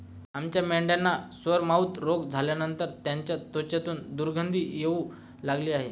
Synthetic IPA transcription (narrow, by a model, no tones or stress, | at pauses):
amt͡ɕjamɛɳɖjanːasʋəɾmaut̪ɾoɡd͡zʱaljanənt̪əɾt̪jaɲt͡ɕjat̪ot͡ɕjat̪uːnd̪uɾɡʱənd̪ʱiːjeu | laɡliːaɦe